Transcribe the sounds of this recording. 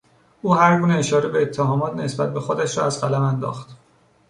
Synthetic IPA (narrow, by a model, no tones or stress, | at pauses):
ʔuːhæɾɡuːneːʃɒːɾebeːt̪ʰːeɦɒːmɒːt̪ne̞sbæ̰t̪̚be̞xod̪æʃɾɒːæzɢælæmænd̪ɒ̰ːxt̪